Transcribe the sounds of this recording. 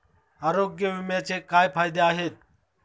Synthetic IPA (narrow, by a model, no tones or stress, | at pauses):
aːɾoːɡjəʋɪmet͡ʃekaːjpʰaːjd̪eaːɦeːt̪̚